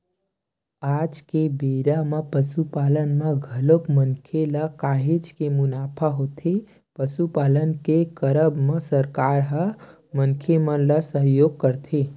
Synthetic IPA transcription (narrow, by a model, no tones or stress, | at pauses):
ad͡ʒkebeɾaməpəsupalənməɡʱəlokmənkʰelakaɦed͡ʒkemunapʰaɦot̪ʰe | pəsupalənkekəɾəbməsəɾkaɾɦə | mənkʰemələsəɦjoɡ̚kəɾt̪ʰe